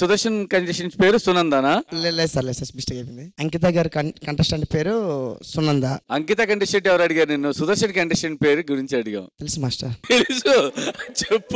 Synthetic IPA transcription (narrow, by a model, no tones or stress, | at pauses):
sud̪ɐɾʂɐnkɐɳɖiʃɐnspeːɾusunɐnd̪analelesaɾlesɐɾsbisʈɐkepind̪iɐŋkit̪̬aːɡaːɾkɐkɐɳʈɐsʈɐɳʈpeːɾusunːɐnd̪aɐŋkit̪aːkɐɳɖiʃɐɳʈɛʋɐɾɐɽiɡaːɾunenːusud̪ɐɾʃɐnkɐɳɖiʂɐnpeːɾuɡuɾiɲt͡ʃiɐɽuɡɐ̰mt̪elisimaːsʈɐɾt̪elisut͡ʃepːu